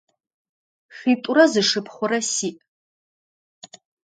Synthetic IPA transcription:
χʲitʼurɐzɨʂɨpʰχʷʊɾɐsiːʔ

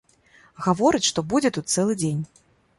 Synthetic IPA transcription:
ɣavɔɾɨt͡sʲʂt̪ɔbud͡zʲɛt̪ut̪̚sɛlˠɨd͡zʲenʲ

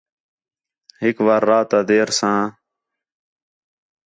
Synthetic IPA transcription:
ɦɪkʋaːɾːaːt̪aːd̪eːɾsãː

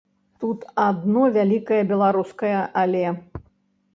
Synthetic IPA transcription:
t̪ut̪ad̪nɔvʲalʲikɐjɐbʲɛlˠaɾuskɐjɐʔalʲɛ

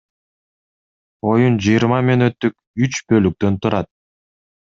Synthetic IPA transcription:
o̞jund͡ʒɯjiɾmɑmenø̞t̪ːyk̚ | yt͡ʃbø̞lyk̚t̪ø̞nt̪ʰuɾɑt̪̚

